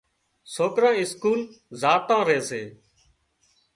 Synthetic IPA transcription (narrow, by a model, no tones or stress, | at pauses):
soːkɾãːɪskuːl | zaːt̪ãːɾeːseː